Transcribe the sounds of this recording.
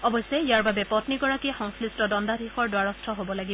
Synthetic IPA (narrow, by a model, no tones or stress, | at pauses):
ɔbɔjsɛijaɹbabɛpɔtniɡɔɹakixɔŋslistɔdɔndadʱixɔɹdwaɹɔstʰɔɦobɔlaɡi